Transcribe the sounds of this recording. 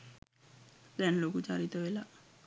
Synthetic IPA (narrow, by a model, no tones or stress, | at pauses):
d̪̥ɛnlokut͡ʃaɾit̪əʋela